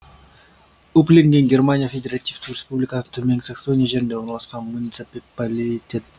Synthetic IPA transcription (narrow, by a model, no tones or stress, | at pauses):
uplʲeŋɡʲe̞nɡʲe̞rmanʲijafʲed̪ʲeɾat̪ʲijft̪ːɪrʲespublʲijkɑsət̪ʰʏmeŋsakso̞nʲijaʒe̞ɾɪnd̪e̞o̞ɾnɑlˠɑsqɑnmunʲit̪sɨppalʲitʲe̞t̪̚